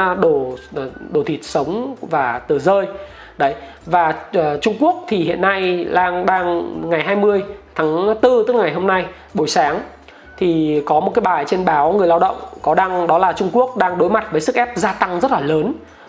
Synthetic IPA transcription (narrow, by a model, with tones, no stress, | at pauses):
ɗo˧˩˨ɗo˧˩t̪ʰi˨˩t̚sə˨˦wŋ͡mvaː˨˩t̪ɨ˨˩zəː˧j | ɗə˨˦j | vaː˨˩˨t͡ɕʊ˧ŋ͡mku˦˥ək̚t̪ʰi˨˩hḭ˧˨ənːa˧jlaː˧ŋɗaː˧ŋŋa˨˩jɦaː˧jmɨ˧əjt̪ʰaː˨˦ŋt̪ɨ˧t̪ɨ˦˥ŋa˨˩jɦo˧mna˧j | ɓo˨˩˦jsaː˨˦ŋ | t̪ʰi˨˩kɔ˨˦mo˨˩t̚kaː˨˦jɓaː˨˩jt͡ɕe˧nɓaː˨˦wŋɨ˨˩əjlaː˧wɗə̰˧˨wŋ͡mkɔ˨˦ɗa˧ŋɗɔ˨˦laː˨˩t͡ɕʊ˧ŋ͡mku˦˥ək̚ɗaː˧ŋɗo˨˦jma˨˩t̚vəː˨˦sɨ˦˥k̚ʔɛ˦˥p̚zaː˧t̪a˧ŋzə˦˥t̚laː˨˩ləː˨˦n